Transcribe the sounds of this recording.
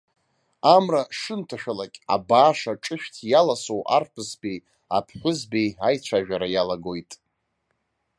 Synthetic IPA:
amraʂɨntʰaʃᶣalakʲʼa̰baːʂaʈ͡ʂʼɨʃᶣʲtʰjalasowʔa̰rpʰɨsbej | apʰħʷʊzbejajt͡ɕʷʰaʒᶣaɾajalaɡo̞jtʼ

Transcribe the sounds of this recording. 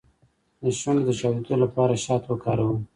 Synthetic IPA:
d̪əʃʊnd̪əʃɑd̪ud̪olapɑɾaʃɑːt̪wəkɑːɾawu

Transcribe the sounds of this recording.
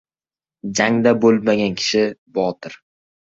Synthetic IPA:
d͡ʒaŋd̪abolˠmaɡʲankʲʰɪ̥ʃɪbɒt̪ʰɪɾ

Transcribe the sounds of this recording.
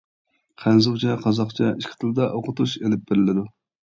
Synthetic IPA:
qʰænzuwt͡ʃʰɛqʰɑzɑχt͡ʃʰɛiʃkʲʰɪ̥t̪ʰɪld̪ɛʔoqʰʊt̪uʃelɪp̚beɾɪlɪd̪u

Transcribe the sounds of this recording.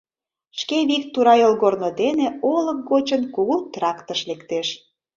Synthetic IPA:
ʃkeβik̚t̪uɾɑjolɣornod̪eneolək̚ɡot͡ɕənkuɣut̪ɾɑkt̪əʃlekt̪eʃ

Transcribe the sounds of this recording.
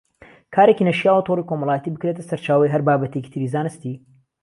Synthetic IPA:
kʰaːɾekinɐʃiaːwɐt̪ʰoriko̞mɐlaːjət̪ibɨkɾet̪ɐsɐɾt͡ʃaːwɐjɦɐɾbaːbɐt̪ʰeki̥t̪ʰɨɾiːzaːnɨst̪i

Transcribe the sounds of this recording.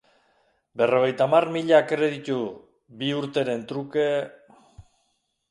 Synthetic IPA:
be̞ro̞ɣ̞e̞jt̪amarmiʎakɾe̞ð̞it̪u | biuɾt̪e̞ɾe̞nt̪ɾuke̞

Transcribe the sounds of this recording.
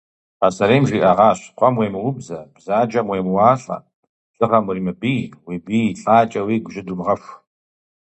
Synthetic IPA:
asɐɾeːmʒʷiːʔɐʁɑːɕqʷʼɔmweːmɨwʊbzɐb̥zaːd͡ʒɐmweːmwaːɬʼɐ̰ | ɬʼɨʁɐmwʊriːmɨbiːjwibiːɬʼaːt͡ʃʼɐwiːɡʷʒɪdumʁɐfʷ

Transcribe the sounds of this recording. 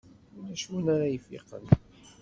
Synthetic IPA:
læʃunaɾajfḭqə̰n

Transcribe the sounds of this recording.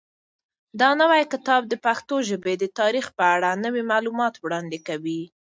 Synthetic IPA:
d̪ɑnəwajkɪt̪ɑb̚d̪əpaxt̪oʒəbed̪ət̪ɑɾixpəaɽanəwimalumɑt̪wɽɑnd̪ekawi

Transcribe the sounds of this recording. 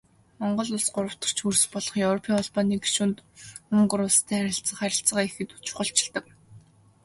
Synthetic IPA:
mɔɴɢɞ̆ɮʊɮsɢʊɾə̆w̥t̪ɞ̥̆r̥t͡ɕʰxurs̆pɔɮɞ̆χjɵwrɔpʰiŋɔɮpaniːɡe̥ʃunt̪uŋɢɵ̆ɾʊɮst̪ʰæːχæɾʲɪ̆ɬt͡sə̆χæɾʲɪ̆ɬt͡sə̆ʁaːexɘ̆t̪u̥t͡ɕʊ̥χə̆ɬt͡ɕɪ̆ɮt̪ə̆k̚

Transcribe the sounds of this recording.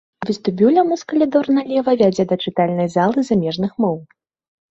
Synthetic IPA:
vʲɨst̪ubʲuwlʲɐmuskɐlʲid̪ɔrnɐlʲɛvɐvʲad͡zʲɛd̪ɐt͡ʂɨt̪alʲnɐjzalˠɨzamʲɛʐnɨxmɔw

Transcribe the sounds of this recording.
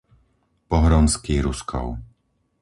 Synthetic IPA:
pɔɦɾɔnskiːɾuskʰɔ̰ʊ

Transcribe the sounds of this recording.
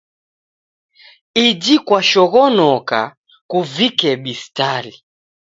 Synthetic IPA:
id͡ʒikwaʃɔɣɔnɔka̰ | kuvikɛɓistali

